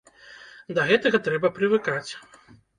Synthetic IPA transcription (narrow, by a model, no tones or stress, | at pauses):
d̪ɐɣɛt̪ɐɣɐt̪ɾɛbɐpɾɨvɨkat͡sʲ